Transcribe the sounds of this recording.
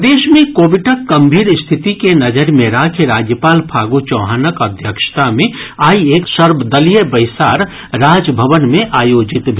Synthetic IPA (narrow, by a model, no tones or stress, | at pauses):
d̪eːʃmẽkoːʋɪʈəkɡɐmbʱiːɾst̪ʰɪt̪ikenɐd͡ʒəɾmẽɾaːkʰɾaːd͡ʒjəpaːlpʰaːɡut͡ʃɔ̃ːɦaːnəkəd̪ʱjəkʃə̥t̪amẽaːieːksəɾbəd̪əlijəbəɪsaːɾ | ɾaːd͡ʒbʱəʋənmẽʔaːjoːd͡ʒɪt̪bʱ